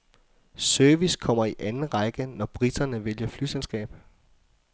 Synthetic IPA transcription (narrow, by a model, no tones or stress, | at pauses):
sœɐʋiskʰɒ̽m̰ɐiʔænn̩ʁɑɪɡ̥ənɒb̥ʁid̥ɐnəʋeljɐfly̰selsɡ̥ɛ̰ːb̥